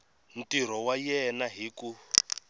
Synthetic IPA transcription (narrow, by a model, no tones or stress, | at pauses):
n̩tiɾ̤ɔwajɛnaɦiku